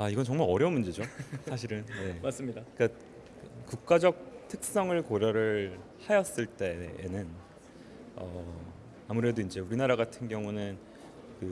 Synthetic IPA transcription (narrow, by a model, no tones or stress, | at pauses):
aiɡʌnt͡ɕʌŋmaɾʌɾjʌumund͡ʑid͡ʑosʰaɕ̬ʰiɾɯnje̞mas͈ɯmɲidak͈a | ɯkuk̚k͈ad͡ʑʌk̚tʰɯk̚s͈ʌŋɯɭkoɾjʌɾɯɭ | hajʌs͈ɯɭt͈e̞̰ːnɯn | ʌ | amuɾe̞doind͡ʑe̞uɾinaɾaɡatʰɯnɡjʌŋunɯn | kɯ